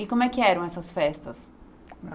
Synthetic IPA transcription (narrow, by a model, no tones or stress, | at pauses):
ɪkõmʊɛkɪɛɾɐ̃w̃ɛsɐsfɛst̪ɐs